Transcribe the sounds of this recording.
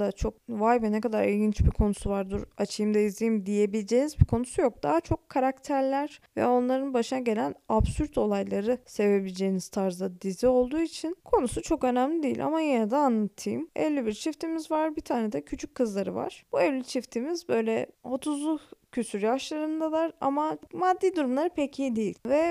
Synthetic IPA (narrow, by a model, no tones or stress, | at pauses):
d̪at͡ʃʰo̞k̚vajvɛnɛkad̪aɾilɟint͡ʃbikʰo̞nu̥suvaɾd̪uɾat͡ʃʰɯjɯmd̪aizʲijimd̪ije̞bilʲed͡ʒe̞ːnizbikʰo̞nu̥sujo̞k̚d̪aɦat͡ʃʰo̞kʰːaɾakt̪ʰæɾlʲæɾ̥vɛ̰o̞nlˠaɾɯnbaʃɯnaɟe̞lʲænabsyɾt̪ʰo̞lˠajlˠaɾɯse̞ve̞bilʲd͡ʒejiniz̥t̪ʰaɾzd̪ad̪izio̞lˠd̪uːit͡ʃʰinkʰo̞nusut͡ʃʰo̞kø̞næmlʲid̪eijilʔa̰majenɛd̪aanlˠat̪ʰɯjɯmɛ̰lʲːibiɾt͡ʃʰift̪ʰimizvaɾbit̪ʰaːned̪ɛcʰyt͡ʃʰykʰːɯzlˠaɾɯ̰va̰ɾ̥b̥uɛvlːʲit͡ʃʰift̪ʰimizbø̞jlʲɛo̞t̪ʰuzlˠucʰysyɾjaʃlˠaɾɯnd̪ad̪aɾa̰mamad̪ːiːd̪uɾumlˠaɾɯpʰecʰid̪ijḭlʲvɛ